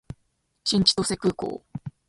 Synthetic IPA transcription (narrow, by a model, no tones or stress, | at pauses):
t͡ɕĩɲ̟t͡ɕi̥t̪ose̞kɯ̟ːko̰ː